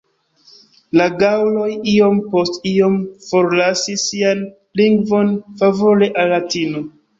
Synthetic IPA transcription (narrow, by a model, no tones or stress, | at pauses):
laɡawlo̞jio̞mpo̞stio̞mfo̞ɾlasisian | liŋɡvo̞nfavo̞le̞ʔalːatino̞